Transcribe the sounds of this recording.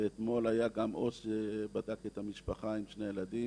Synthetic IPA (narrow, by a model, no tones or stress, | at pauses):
eet̪mo̞lajaɡamʔo̞sʃebadaket̪hamiʃpaχaimʃne̞jeladi